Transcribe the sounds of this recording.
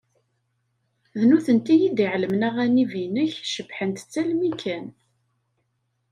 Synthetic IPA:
ðnuθənt̪ijid̪iʕləmnæʁænivinəçʃəbħənt̪t͡sːælmikæn

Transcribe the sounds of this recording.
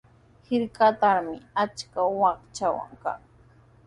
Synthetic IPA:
hɪɾkat̪aɾmɪat͡ʃkawɑχt͡ʃawa̰ŋka̰ŋ

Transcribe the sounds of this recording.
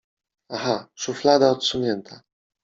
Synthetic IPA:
aɦaʂuflad̪aɔt̪suɲɛnt̪ʰa

